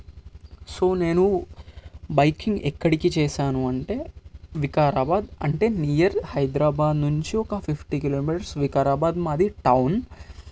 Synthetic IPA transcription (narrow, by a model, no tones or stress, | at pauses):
so̞ːne̞ːnu | bɐjkiŋɡɛkːɐɽikit͡ʃɛːʃaːnuɐɳʈe̞ːʋikaːɾaːbaːd̪ɐ̰ɳʈe̞ːniːjɐɾhɐjd̪ɾaːbaːd̪nuɲt͡ʃiɔkɐpʰipʰʈikiloːmiːʈɐɾsʋikaːɾaːbaːd̪maːd̪iʈɐwn